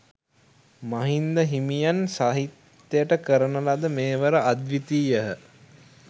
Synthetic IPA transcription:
maɦind̪əɦimijansaːɦit̪ː | əjəʈəkəɾənəlad̪əmeːʋəɾəʔad̪ʋit̪iːjəɦə

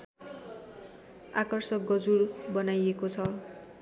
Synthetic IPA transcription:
akʌrsʌk̚ɡʌd͡zurbʌnajekot͡sʰʌ

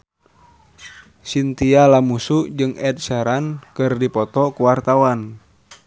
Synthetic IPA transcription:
sint̪ialamusud͡ʒɨŋɛt̪̚sɛɾankɨrdipɔt̪ɔkuwart̪awan

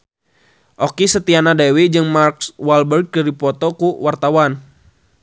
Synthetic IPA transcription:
ʔɔkisət̪ianadewid͡ʒɨŋmarkswalbərɡ̚dadipɔt̪ɔkuwart̪awan

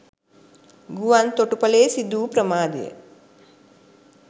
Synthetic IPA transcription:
ɡuʋant̪oʈupɐleːsid̪uːpɾəmaːd̪ḛjə̰

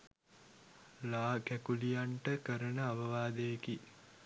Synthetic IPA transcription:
laːkækulijaɳʈəkəɾənəaʋəʋaːd̪ejeki

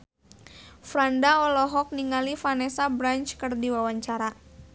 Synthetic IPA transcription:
fɾandaɔlɔɦɔk̚niŋalifanɛsabɾant͡ʃkɨrdiwawaɲt͡ʃaɾa

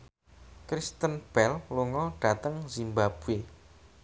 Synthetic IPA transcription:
kɾist̪ənb̥ɛlluŋɔɖ̥a̤t̪əŋzimbab̥ue

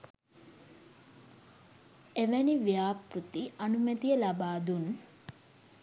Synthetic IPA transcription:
eʋeniʋjaːprut̪iʔɐnumət̪ijəlabaːd̪un

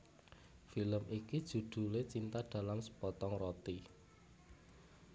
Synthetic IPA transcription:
filəmikid̥ʒ̥ṳd̪̥ṳlet͡ʃint̪aɖ̪̥ä̤lamsə̥pɔt̪ɔŋrɔt̪i

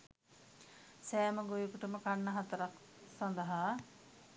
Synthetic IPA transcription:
sɛːməɡojukuʈəməkanːəɦat̪ɐɾak | sand̪əɦaː

